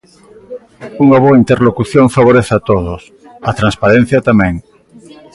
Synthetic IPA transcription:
uŋaβ̞oaint̪eɾlokuθjõŋfaβoɾeθat̪oðos | ɐt̪ɾanspaɾẽn̟θjɐt̪amɛ̃ŋ

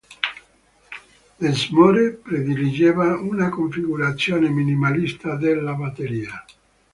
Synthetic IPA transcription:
ezmɔɾepɾed̪ilid͡ʒeːvaunakoɱfiɡuɾat̪sːjoːneminimalist̪ad̪elːabat̪eɾiːa

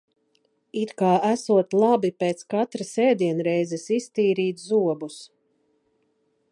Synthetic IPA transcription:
it̪kaːʔæsuɔt̪lˠabipeːt̪skat̪ɾasɛːd̪iɛnɾɛjzɛsist̪iːɾiːt̪zuɔbus

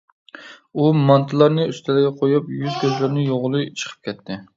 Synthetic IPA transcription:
umɑnt̪ʰɨlˠɑɾnɨyst̪ʰɪlɪɡʲɛqʰojupjyzkʲʰøzlɪɾnɪjoʁlˠɨt͡ʃʰə̥qʰə̥p̚kʲʰɛt̪ʰːɪ

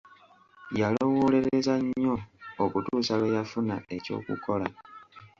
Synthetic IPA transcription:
jalo̞wole̞ɾezaɲːo̞okutuːsaβejafuna̰e̞co̞̰ːkṵko̞la̰

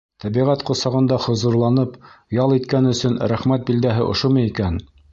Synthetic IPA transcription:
t̪æβiʁæt̪qŏsɑʁɤ̆nd̪ɑhŏzŭɾlˠɑnɤpjɑlˠit̪̚kænɵ̆sɵnɾæχmæt̪̚bild̪æɦɘʔŏ̰ʃomɤikæn

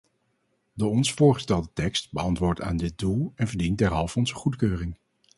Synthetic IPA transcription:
doːɔnsfʊːɹχə̥stɛlˠdətɛkstbəɑntʋʊːɹta̰ːndɪt̚dulˠɛnvəɹdin̚dɛɹɦɑlˠfɔnzəχutkøːrɪŋ

